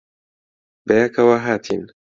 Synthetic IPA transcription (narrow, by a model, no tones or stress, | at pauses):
bejakɐwaɦaːt̪ʰḭn